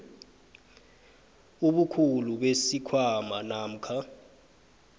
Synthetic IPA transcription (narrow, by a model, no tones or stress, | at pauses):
uɓukʰuluɓesikʰwamanaːm̩kʰa